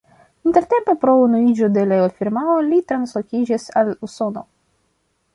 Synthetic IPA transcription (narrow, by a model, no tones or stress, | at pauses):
inte̞ɾte̞mpe̞pɾo̞unuid͡ʒo̞de̞leofiɾmaolitɾanslo̞kʲid͡ʒisaluso̞no̞̰